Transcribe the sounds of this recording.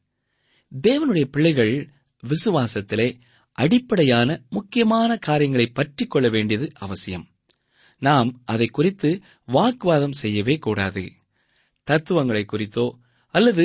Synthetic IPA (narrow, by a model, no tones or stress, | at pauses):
d̪eːʋɐnɯɽɐjɐpɪɭːɐɪɣɐɭ | ʋɪsɯʋaːsɐt̪ːɪleː | ʔɐɽɪpːɐɽɐjaːnɐmʊkːɪjɐmaːnɐkaːɾɪjɐŋɡɐɭɐɪpːɐʈrɪkːɔɭːɐʋeːɳɖɪjɐðɯʔɐʋɐsɪjɐm | naːmʔɐðɐɪkːʊrɪt̪ːɯ | ʋaːkɯʋaːðɐmsɛjːɐʋeːkuːɽa̰ːðɯ̰ | t̪ɐɾt̪ːɯʋɐŋɡɐɭɐɪkːʊrɪt̪ːoː | ɐlːɐðɯ